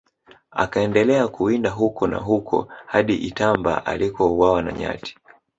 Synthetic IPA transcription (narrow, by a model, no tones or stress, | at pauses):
a̰kaɛndɛlɛakuindaɦukɔna̰ɦukʰɔ̰haɗiʔitamba̰ʔalikɔuwawana̰ɲa̰ti̥